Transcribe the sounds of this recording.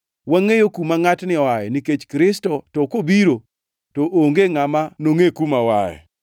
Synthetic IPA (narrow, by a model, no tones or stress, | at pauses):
waŋejokumaŋatnɪwajɛniket͡ʃkɾɪstɔtɔkobiɾo | toʔoŋɡeŋamanoŋekumawajɛ̰